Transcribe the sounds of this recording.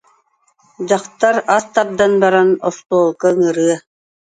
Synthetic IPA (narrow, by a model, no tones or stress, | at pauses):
d͡ʑɑqt̪aɾast̪ap̚d̪anbaɾanɔst̪oːlˠkaŋɯɾɯə